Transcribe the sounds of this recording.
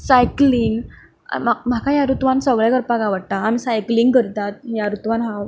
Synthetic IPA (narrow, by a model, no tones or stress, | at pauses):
sajkliŋɡ̰ | mam̤akʰajaɾut̪ʋãnsəɡɭjakəɾpaɡaʋəɽt̪aːm̤isajkliŋɡkəɾt̪at̪̚jaɾut̪ʋanɦãw